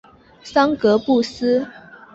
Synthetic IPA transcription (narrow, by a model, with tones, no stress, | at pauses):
sɑ˥ŋkɤ˨˧˥pu˥˨s̩˥